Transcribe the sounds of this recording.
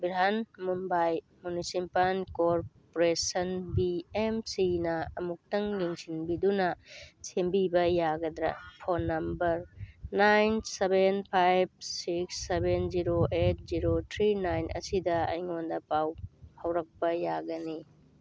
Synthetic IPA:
biɾanmumbaj | munisipalkoɾpoɾesɐnbiemsinɐɐmuk̚tɐŋːiŋsinbidunɐsembibɐjaɡɐdɾɐ̰pʰonːɐmbɐɾnajnsebenpʰajb̚siksːebenziɾoʔet̚ziɾotʰɾinajnʔɐ̰sidɐɐ̰jŋondɐpawhɐwɾɐk̚pɐjaɡɐni

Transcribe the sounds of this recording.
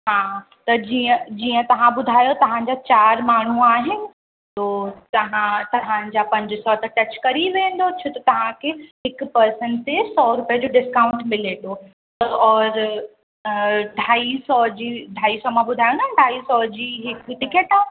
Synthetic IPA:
ɦaː | t̪ɐd͡ʑiə̃d͡ʑiːə̃t̪ɐʋ̤ãbʊd̪ʱaːjot̪ɐʋ̤ãɲ̆d͡ʑaːt͡ɕaːɾmaːɳ̤uaːɦɪnɪ̆ | t̪oːt̪ɐɦãt̪ɐʋ̤ãd͡ʑaːpɐ̃ɲd͡ʑɪsɔt̪ɐʈɐt͡ɕkɐɾiʋẽːn̆d̪ot͡ɕʰot̪ɐt̪ɐʋ̤ãkʰeɦɪkpɐɾsənt̪esɔːɾʊpijəd͡ʑoːɖɪskãːʊ̃ɳʈmɪleɗ̪o | t̪ɔːɾ | ɖʱaːisɔd͡ʑiːɖʱaːisɔmãbʊd̪ʱaːjõnd̪aɖʱaːisɔd͡ʑiːɦɪkʈɪkeʈãː

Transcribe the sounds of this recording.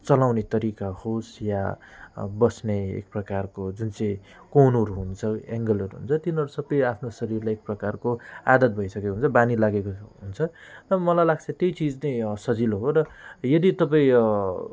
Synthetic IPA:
t͡sʌlawnet̪ʌɾikahosja | bʌsneḛk̚prʌkarkod͡zunt͡sʌ̃j̃ | kownʌɾuɦunt͡sʰʌeŋɡʌlʌɾuɦunt͡sʰʌt̪inʌɾusʌbʌjapʰnosʌɾirlajek̚prʌkarkoad̪ʌt̪̚bʱʌjsʌkekoɦunt͡sʰʌbanilaɡekoɦunt͡sʰʌtʌʌmʌlajlaɡ̚t͡sʰʌt̪ʌjt͡sid͡znʌjsʌd͡ziloɦoɾʌjʌd̪it̪ʌp̬aĩ

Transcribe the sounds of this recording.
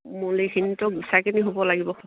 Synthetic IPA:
mulexʰinitɔk̚bisakiniɦobɔlaɡibɔ

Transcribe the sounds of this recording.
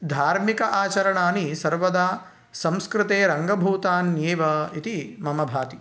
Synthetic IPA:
d̪ʱaːɾmikɐʔaːt͡ʃɐɾɐɳaːnisɐɾʋɐd̪aː | sɐ̃mskɾɪt̪eːɾɐŋɡɐbʱuːt̪aːnjeːʋɐit̪imɐmɐbʱaːt̪i

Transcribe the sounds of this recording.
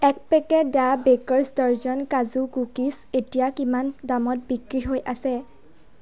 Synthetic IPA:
ɛk̚pɛkɛdabekɔɹsdɔɹzɔnkazukukis | etijakimandamɔt̚bikɹiɦojʔasɛ

